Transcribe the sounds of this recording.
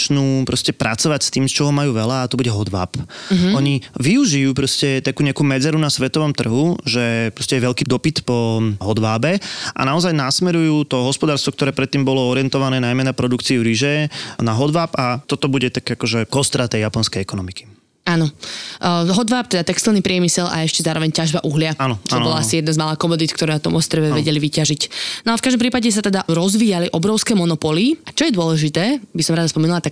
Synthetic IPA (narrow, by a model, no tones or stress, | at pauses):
t͡ʃnuːpɾɔscɛpɾʔa̰t͡sɔʋacst̪iːmst͡ʃɔɦɔmajuːʋɛlaːt̪ɔbuɟɛɦɔd̪ʋa̰ːpɔɲiʋiuʒijuːpɾɔscɛt̪akuːɲɛakuːmɛd͡zɛɾunasʋɛt̪ɔʋɔmt̪r̩ɦuʒɛpɾɔscɛjɛʋɛʎkid̪ɔpit̪pɔɦɔd̪ʋaːbɛʔa̰naɔzajnasmɛɾujuːt̪ɔɦɔspɔd̪aːɾst̪ʋɔkt̪ɔɾɛːpɾɛt̪ːiːmbɔlɔɔɾɪɛnt̪ɔʋanɛːnajmɛnapɾɔd̪ukt͡siuɾiʒɛnaɦɔd̪ʋaːpat̪ɔt̪ɔbuɟɛt̪akakɔʒɛkɔst̪ɾat̪ɛjjapɔnskɛjɛkɔnɔmiki̥ | aːnɔ | ɦɔd̪ʋapt̪ɛd̪at̪ɛkst̪ilnipɾɪɛmisɛlʔa̰ɛʃcɛzaːɾɔʋɛɲcaʒbaʔuɦlɪaanɔt͡ʃɔnbɔlaasijɛd̪nazmalaːkɔmɔd̪it̪kt̪ɔɾɛnat̪ɔmʔɔst̪ɾɛʋɛʋɛɟɛliʋicaʒicnɔalfkaʒd̪ɔmpɾiːpaɟɛs̬at̪ɛd̪aɾɔzʋiːaliʔɔbɾɔʊskɛːmɔnɔpɔliat͡ʃɔjɛd̪ʊɔlɛʒit̪ɛːbisɔmɾaːd̪aspɔmɛnulat̪ak